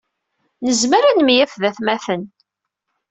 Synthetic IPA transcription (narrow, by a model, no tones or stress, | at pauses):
nəzməɾænmjæfðæθmæθən